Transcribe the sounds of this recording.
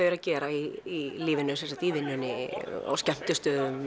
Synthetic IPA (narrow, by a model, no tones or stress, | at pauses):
œjɾacɛːɾaiːliːvɪnːʏsɛnsat̪iːðɪnːʏnːɪa̰wscɛm̥t̪ʏst̪œːðʏm